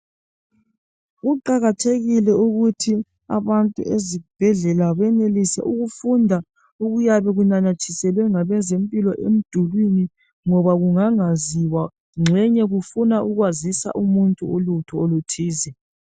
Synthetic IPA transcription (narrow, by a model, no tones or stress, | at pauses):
ɣuǃaɣatʰeɣilɛuɣutʰi | a̰βantʼṵʔeziɣub̥ʱɛɮɛlaβɛnelisɛ̰ʔuɣufundʱa | uɣujaβɛɣunanat͡ʃʰʼisɛlwɛŋaβɛzempʼilɔʔem̩d̥ʱulwini | ŋɔβaɣuŋaŋaziwa | ŋ͡ǁʱɛɲɛɣufunaʔuɣwazisa̰ʔumuntʼuolutʰɔolutʰiːzɛ